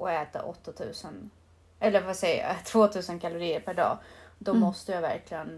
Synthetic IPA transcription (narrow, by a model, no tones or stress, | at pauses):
ʔɔɛːt̪a̰ʔɔt̪ːat̪ʰʉ̟̰ːsən | ɛlːəɾasɛjːa̰t̪ʰv̥oːt̪ʰʉ̟ːsənkʰalʊɾiːəɾpʰæɖɑ̰ːd̪ɔmɔst̪əjɑːvæ̰ɾklɪɡən